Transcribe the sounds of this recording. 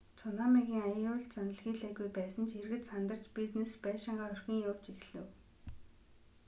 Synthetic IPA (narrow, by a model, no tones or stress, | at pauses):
t͡sʰʊnaːmaɣʲiːŋajʊːɮt̪t͡sanə̆ɮɣiːɮæːɣujpæːsə̆nt͡ɕʰerɣɘ̆t̪sant̪ə̆r̥t͡ɕpit̪nespæːʃɪ̆ɴɢaːɵrxʲĭːŋjʊw̥t͡ɕixɮɘ̆w